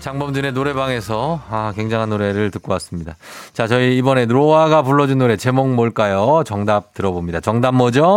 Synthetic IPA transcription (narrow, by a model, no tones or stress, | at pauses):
t͡ɕaŋbʌmd͡ʑɯne̞noɾe̞baŋe̞sʰʌakweŋd͡ʑaŋɦanːoɾe̞ɾɯɭtɯk͈owas͈ɯmɲidat͡ɕat͡ɕʌiːbʌne̞ɾowaɡapuɭːʌd͡ʑunːoɾe̞t͡ɕe̞moŋmoɭk͈ajot͡ɕʌŋdap̚tɯɾʌbomɲidat͡ɕʌŋdamːʌd͡ʑo